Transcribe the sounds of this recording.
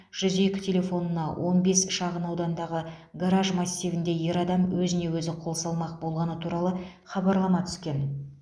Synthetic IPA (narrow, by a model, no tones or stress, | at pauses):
ʒ̥ʏze̞kʲɪ̥t̪ʲʰe̞lʲe̞fo̞nənɑwʔo̞nbe̞sʃɑʁənɑwd̪ɑnd̪ɑʁəɡaɾaʒmɑsʲːivɪnd̪e̞je̞ɾɑd̪ɑmwɵzɪne̞wɵzɪqʰolˠsɑlˠmɑq̚bo̞lˠʁɑnət̪ʰuɾɑlˠə | χɑbɑɾlˠɑmɑt̪ʰʏ̥skʲe̞n